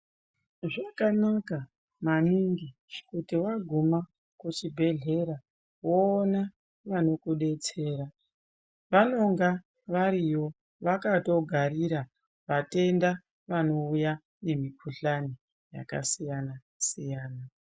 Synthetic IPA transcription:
ʐakanaka | maniŋɡi | kutiwaɡʱuma | kut͡ʃibʱe̞ɮe̞ɾa | woːna | ʋano̞kuɗe̞t͡se̞ːɾa | ʋano̞ŋɡa | ʋaɾijo̞ | ʋakato̞ɡʱaɾiɾa | ʋate̞nda | ʋano̞uja | ne̞mikʰuɬani | ja̰ka̰sijana | sijaːna

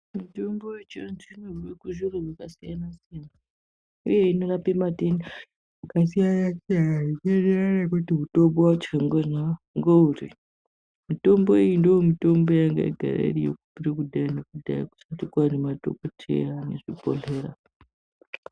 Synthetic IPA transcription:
mitombojet͡ʃiansinorikuʒurorwakasijanasijana | ṵje̞inorapematena | kasijajakejaaikeneranakutiɦutobowat͡ʃaŋɡeʐa | ŋɡouri | mito̞mboijindojomito̞mbo̞jaŋɡa̰ḭɡʱa̰ɾa̰ḭrijo̰kupirikudʱainekudʱa̰ḭku̥satikwanemato̰kotʰḛanḛʐipo̰ɮeːɾa

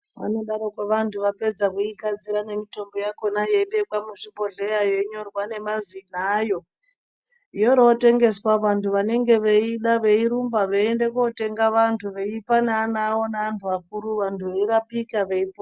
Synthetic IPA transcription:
ʋa̰no̞ɗaɾokaʋantʰuʋape̞d͡zakuiɡad͡ziɾane̞mito̞mbo̞jako̞najeiɓe̞kwamuʐiɓo̞ɮeɾaje̞ɲo̞rwane̞mazinaːjo̞ | ijoɾote̞ŋɡe̞swaʋantʰuʋane̞ŋɡe̞ʋeiɗaʋeiɾumbaʋeendekote̞ŋɡaʋantʰuʋeipanaːnawo̞naantʰuʋak̚uɾuʋantʰuʋeiɾapikaʋeipo

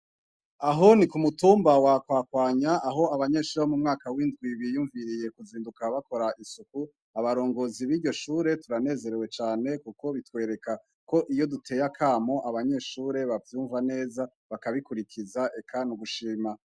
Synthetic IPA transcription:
aɦo̞nikumutuːmbawakwaːkwaːɲaʔːɦo̞aβaɲe̞ːʃuːɾeomumŋaːkawindɡwiβijuːɱviɾije̞kuziːndukaβako̞ɾainsuku | aβaɾo̞ːŋɡo̞ziβiɾɟo̞ʃuːɾe̞tuɾane̞ːze̞ɾewe̞t͡ʃaːne̞kuko̞βitwe̞ːɾe̞ka | ko̞ʔijo̞dutʰe̞ːjakʰaːmo̞ʔaβaɲe̞ːʃuːɾe̞βavjuːɱvane̞ːza | βakaβikuɾikʰizaʔe̞kʰanuɡuʃiːma

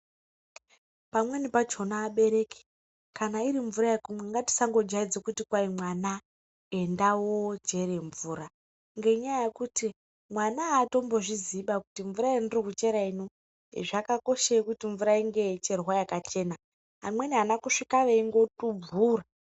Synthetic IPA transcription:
pamwe̞nipad͡ʒo̞naːɓe̞ɾe̞ːke̥ | kanaiɾiɱvuɾajekumweŋɡati̥saŋɡo̞d͡ʒaid͡zokutikwaimwana | e̞ndawod͡ʒe̞ɾe̞ɱvuːɾa | ŋɡe̞iɲajajekuti | mwanaːto̞mbo̞ʐiziɓakutiɱvuɾaendirokut͡ʃe̞ɾaino | ḭʐakako̞ʃekutiɱvuɾaiŋɡe̞t͡ʃe̞rwajakat͡ʃe̞ːna | ɦamwe̞niɦanakuʂikaʋeiŋɡo̞tub͡vuːra

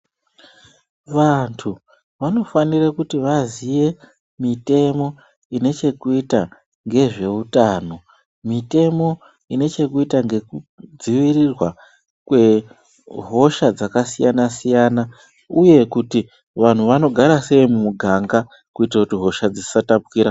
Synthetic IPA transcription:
ʋantʰu | ʋano̞fanirakutiʋazije̞ | mite̞mo̞ | ine̞t͡ʃe̞kuita | ŋɡe̞ʐe̞utaːno̞ | mite̞mo̞ | ine̞t͡ʃe̞kuitaŋɡe̞kud͡ziʋirirwa | kwe̞ | ɦo̞ʃad͡zakasijanasijana | uje̞kuti | ʋan̤uʋano̞ɡʱaɾase̞imumuɡʱaŋɡa | kuitrakutiɦo̞ʃad͡zisi̥satapukiːɾa

